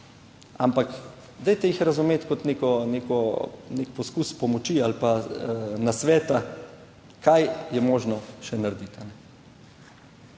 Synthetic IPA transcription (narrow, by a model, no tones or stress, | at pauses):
a̰mpak | d̪ɛjt̪ɛjixɾazumeːt̪kɔt̪neːkɔnekɔnekpɔskuspɔmɔt͡ʃialpanasʋɛːt̪a | kajjɛmoːʒnɔʃɛnaɾd̪it̪anɛ